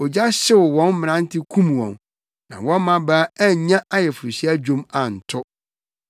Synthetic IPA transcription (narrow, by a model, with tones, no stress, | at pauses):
ɔ˨d͡ʑa˦ɕɪ˦wʊ˨wɔ̃˦nmɪ̃˨nã˦n˦tʰɪ˦kʰũ˦m˨wɔ̰̃˨n | nã̰˨wɔ̃˦n˦mã˨baː˦æ˦ɲã˦ʔa˦jɛ˨fu˨ɾu˨ɕi˦a˦d͡ʑᶣõ˦ma˨n̩˨tʰʊ˦